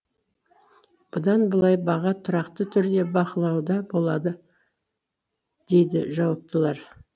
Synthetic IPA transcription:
b̥ʊd̪ɑnbəlˠɑjbɑʁɑt̪ʰʊɾɑqt̪ət̪ʰʏɾd̪e̞bɑqəlˠɑwd̪ɑbo̞lˠɑd̪ə | d̪̥e̞jd̪ɪ̰ʒɑwɑp̚t̪əlˠɑɾ

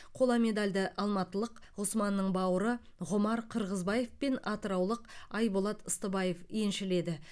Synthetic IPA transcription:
qʰo̞lˠɑme̞d̪alʲd̪ɪʔɑlˠmɑt̪əlˠəqʁʊsmɑnːəɴbɑwəɾə | ʁʊmɑɾqʰəɾʁəzbɑje̞fpe̞nɑt̪əɾɑwlˠəqɑjbolˠɑt̪əst̪əbɑje̞fje̞nʃɪle̞d̪ɪ

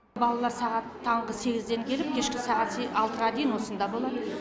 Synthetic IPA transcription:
bɑlˠɑlˠɑɾsɑʁɑt̪ʰːɑɴʁəse̞ɡʲɪzd̪e̞ŋkʲʰe̞lɪp̚kʲʰe̞ʃkʲɪsɑʁɑt̪seɑlˠt̪əɾʁɑd̪ejɪnwo̞sənd̪ɑbo̞lˠɑd̪ə

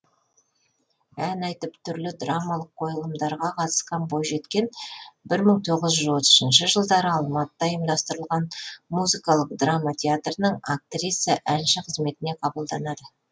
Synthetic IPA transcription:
ænɑjt̪əpt̪ʰʏɾlɪd̪ramɑlˠəqʰːo̞jəlˠəmd̪ɑɾʁɑqʰɑt̪ə̥sqɑnbojʒe̞t̪kʲe̞nbɪɾməɴt̪ʰo̞ʁəzʒwo̞t̪ə̥ʃənʃəʒəlˠd̪ɑɾəɑlˠmɑt̪əd̪ɑjəmd̪ɑst̪əɾəlˠʁɑnmuzikɑlˠəq̚d̪ramat̪ʲʰe̞at̪rənəɴak̚t̪ɾʲisəʔænʃɪqʰəzme̞t̪ɪne̞qʰɑbəlˠd̪ɑnɑd̪ə

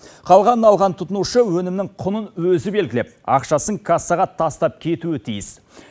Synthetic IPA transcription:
qʰɑlˠʁɑnəɑlˠʁɑnt̪ʰʊt̪ənuʃəwɵnɪmnɪŋqʰʊnənwɵzɪbe̞lɡʲɪlep̚ɑ̰qʃɑsəɴkʰasɑʁɑt̪ʰɑst̪ɑp̚kʲʰe̞t̪uɪt̪ʰijɪs

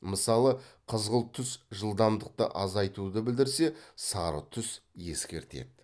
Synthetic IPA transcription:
məsɑlˠəqʰəzʁəlˠt̪ʰʏsʒəlˠd̪ɑmd̪əq̚t̪ə̰ʔɑzɑjt̪ud̪əbɪld̪ɪɾse̞sɑɾə̰t̪ʰʏsje̞̰skʲe̞̰ɾt̪e̞̰d̪ɪ

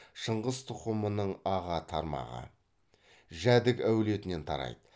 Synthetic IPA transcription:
ʃəɴʁəzt̪ʰʊqəmənəɴɑʁɑt̪ʰɑɾmɑ̰ʁə̰ | ʒæd̪ɪkæwle̞t̪ɪne̞nt̪ʰɑ̰ɾɑ̰jd̪̥ə

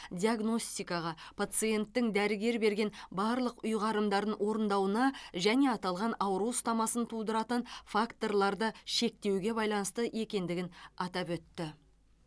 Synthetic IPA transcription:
d̪ʲiaɡno̞sʲt̪ijkɑʁɑpʰat̪sɨje̞nt̪ːɪŋd̪æɾɪɡʲe̞ɾbe̞ɾɡʲe̞nbɑɾlˠəqʊjʁɑɾəmd̪ɑɾənwʔo̞ɾənd̪ɑwənɑʒæne̞ɑt̪ɑlˠʁɑnɑwəɾuwst̪ɑmɑsənt̪ʰulˠd̪əɾɑt̪ənfakt̪o̞rlˠɑɾd̪əʃe̞k̚t̪e̞wɡʲe̞bɑjlˠɑnəst̪əʔe̞kʲe̞nd̪ɪɡʲɪnɑt̪ɑpwɵt̪ːɪ

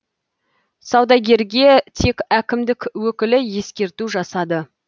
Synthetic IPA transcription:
sɑwd̪ɑɡʲe̞ɾɡʲe̞t̪ʰe̞kʲækʲɪmd̪ɪkwɵkʲɪlɪje̞skʲe̞ɾt̪uʒɑsɑd̪ə

